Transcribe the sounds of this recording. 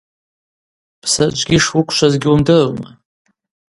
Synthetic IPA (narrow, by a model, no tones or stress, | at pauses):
pʰsad͡ʒʷʼɡʲiʂwʊkʷʰʃʷazɡʲiumdɨrma